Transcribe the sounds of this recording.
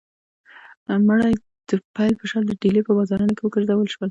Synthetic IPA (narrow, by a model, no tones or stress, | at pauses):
məɽaj | d̪̥əpajlpəʃɑɾd̪əɖelepəbɑzɑɾənokewəkəɾd̪awəlʃwəl